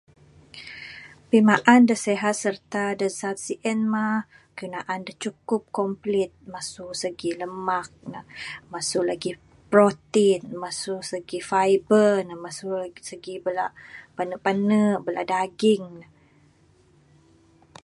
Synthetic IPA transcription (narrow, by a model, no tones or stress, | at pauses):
pimaʔandəseɦat̪̚sərt̪adəsat̪̚siʔɛnma | kunaʔandəht͡ʃukʊp̚kɔmplɪt̪̚masuʔsəɡiləmak̚nahmasʊʔlaɡi | pɾot̪inmasuʔsəɡifajbərnamasusəɡibəlaʔpanəpanəʔbəla̰ʔdaɡɪŋna